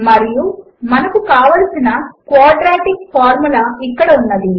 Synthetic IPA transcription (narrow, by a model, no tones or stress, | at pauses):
mɐɾiju | mɐnɐkukaːʋɐlɐsinɐkʋaːɖɾaːʈik̚pʰaːɾmulɐikːɐɽɐunːɐd̪i